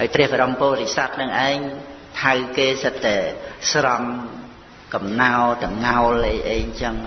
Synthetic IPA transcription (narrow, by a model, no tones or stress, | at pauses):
haəːjprɛ̆əhɓaɾompoːɾisat̪̚nɨŋʔaɛŋ | t̪ʰawkeːsət̪ːaɛsrɑm | kɑmnaɔt̪ɨŋmŋaɔlʔəjʔəːjɲt͡ɕəŋ